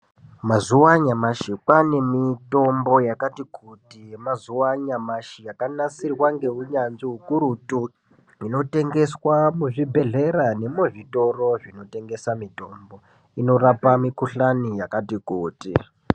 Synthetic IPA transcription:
mazuwaɲamaʃikwane̞mito̞mbo̞jakatikʰutimazuwaɲamaʃijakanasirwaŋɡe̞ɦuɲanʐiɦukuɾutu | ino̞te̞ŋɡe̞swamuʐibʱe̞ɮe̞rane̞moʐito̞ro̞ʐino̞te̞ŋɡe̞samito̞mbo̞ | ino̞rapamikuɬanijakatikuːtḭ

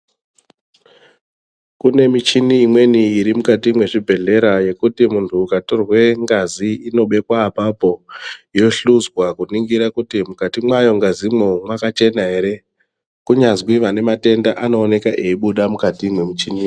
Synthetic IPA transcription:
kune̞mit͡ʃiniːmwe̞niiɾimukatimwe̞ʐibʱe̞ɮe̞ɾaje̞kutimuntʰuːkatorwe̞ŋɡaziino̞ɓe̞kwaːpapo̞jo̞ɬuzwakuniŋɡiɾakutimukatimwajo̞ŋɡazimwomwakat͡ʃe̞naɦe̞ɾe̞ | kuɲazwiʋane̞mate̞ndaʔano̞ːne̞kaʔe̞iɓuɗamukatimwe̞mit͡ʃini

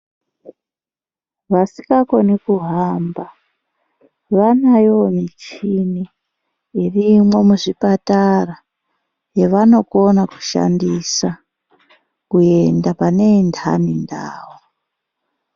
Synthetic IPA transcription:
ʋasikako̞nekuɦamba | ʋanajomit͡ʃini | irimwe̞muʐipatara | jeʋano̞ko̞naku̥ʃa̰ndisa | kue̞ndapane̞nda̰ninda̰ːwo

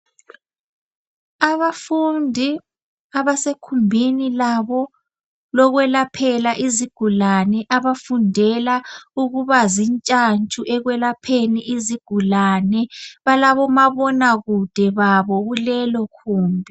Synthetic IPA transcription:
aβafundʱi | aβasekʰumbʱinilaβɔ | lɔɣwɛlapʰɛlaʔiziɡ̥ʱulanɛʔaβafundʱɛlauɣuβazint͡ʃʼant͡ʃʼuʔɛɣwɛlapʰeniʔiziɡ̥ʱulanɛβalaβɔmaβɔnaɣud̥ʱɛβaβɔɣulɛlɔkʰuːmbʱi

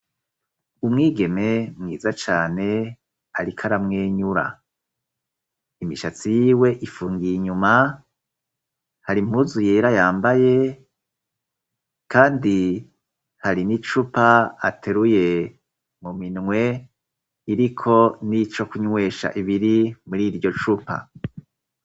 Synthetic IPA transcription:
umŋiːɡe̞me̞mŋiːzat͡ʃaːne̞ | aɾikʰaɾamŋeːɲuɾa̰ | imiʃat͡sijiːwe̞ʔifuːŋɡiiɲuma | haɾimhuzujeɾajaːmbaje | kaːndi | haɾinit͡ʃupaatʰeɾuje̞ | muminŋwe̞ | iɾikʰo̞nit͡ʃo̞kuɲwe̞ːʃa̰ʔiβiɾimuɾiɾɟo̞t͡ʃupa̰

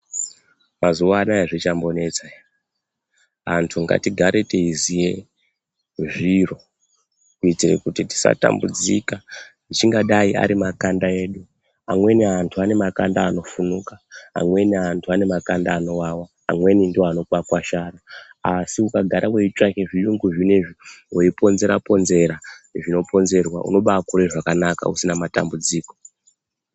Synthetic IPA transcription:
mazuʋaːnajeʐit͡ʃambo̞ne̞t͡sa | antʰuŋɡa̰tiɡʱaɾeteizije̞ | ʐiro̞ | kuitirḛkutiti̥sa̰ta̰mbud͡zḭkanit͡ʃiŋɡaɗaia̰ɾimakandae̞ːɗu | amwe̞niantʰuane̞makandaːno̞funukaa̰mwe̞niantʰuane̞makandaːno̞wawaːmwe̞nindiwoano̞pakwaʃaɾaasiukaɡʱaɾʔaweit͡ʃakeʐijuŋɡuʐineʐiweipo̞nze̞ɾapo̞nze̞ɾaʐino̞pʰo̞nze̞rwa̰ṵno̞ɓakuɾe̞ʐakanaka̰usinamata̰mbud͡ziːko̞

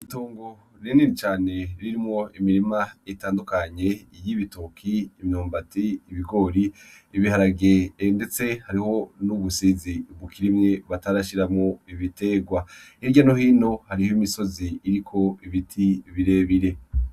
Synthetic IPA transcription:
itoːŋɡo̞ | niniɾit͡ʃaːne̞ɾiɾimŋo̞imiɾimaitaːndukaɲe̞jiβitokʰiːmɲoːmbatiiβiɡo̞ɾiːβihaɾaɡende̞t͡se̞haɾiho̞nuβusiziuβukʰiɾimŋeβataɾaʃiɾamŋo̞iβite̞ɡwaiɾɟanohiːno̞haɾihoimiso̞ziːɾikʰo̞iβitʰiβiɾe̞βiɾe̞

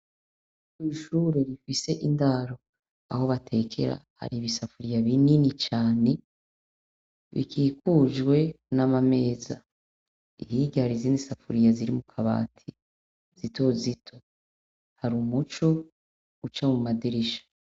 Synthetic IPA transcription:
kwiːʃuːɾe̞ɾifise̞ʔindaɾo̞ | aho̞βatʰe̞kʰe̞̰ɾa̰ha̰ɾiβisafuɾijaβininit͡ʃaːne̞ | βḭkʰiːkud͡ʒwe̞ | namame̞ːza̰ | iɦiɟahaɾiziːndisafuɾijaziɾimukʰaβa̰ːtʰi | z̥ito̞zitʰo̞ | haɾumut͡ʃo̞ | ɡ̥ut͡ʃamumadiɾiʃḁ

